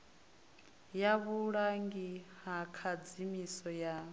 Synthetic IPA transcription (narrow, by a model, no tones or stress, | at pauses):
jaβuɺaŋɡihakʰad͡zimisɔja